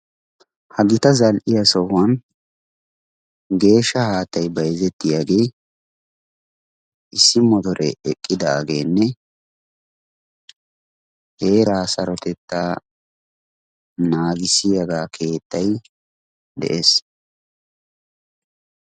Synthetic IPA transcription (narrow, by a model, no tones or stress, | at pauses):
hɐɡɪt̪ɐzɐlʔɪjɐsɔhwɐn | ɡe̞ːʃːɐhaːt̪ːɐjbɐjzɛt̪ːɪjaːɡe̞j | ʔɪsːɪmɔt̪ɔɾʔɛɛkʼːɪd̪aːɡe̞ːnːɛ | he̞ːɾaːsɐɾɔt̪ɛt̪ːa | naːɡɪsɪjɐɡaːkʰe̞ːt̪ːɐj | d̪ɛ̰ʔeːs